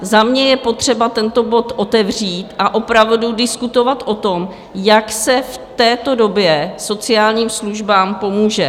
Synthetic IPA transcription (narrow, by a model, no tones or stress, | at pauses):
zamɲɛjɛpo̞t̪r̝̥ɛbat̪ɛnt̪o̞bo̞t̪ʔo̞t̪ɛvr̝iːt̪ʔaʔo̞pɾavdudɪskut̪o̞vat̪ʔo̞t̪o̞m | jaksɛft̪ɛːt̪o̞do̞bjɛso̞t͡sɪaːlɲiːmsluʒbaːmpo̞muːʒɛ